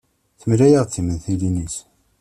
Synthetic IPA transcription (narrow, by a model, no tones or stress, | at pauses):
θəmlæjəʁt͡sːimənθilinis